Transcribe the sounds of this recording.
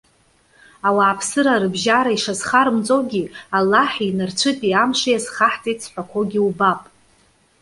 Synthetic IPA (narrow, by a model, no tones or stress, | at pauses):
awaːpʰsɨɾaɾɨbʒaɾaiʂazχaɾɨmt͡sʼowɡʲialːaħinɨrt͡ɕʷʰɨtʼiamʂʷajazχaħt͡sʼitʼsħʷᶣakʷʰoɡʲiubapʼ